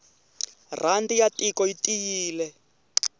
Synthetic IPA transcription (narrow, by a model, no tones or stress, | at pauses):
randijatʼikɔitʼijiːlɛ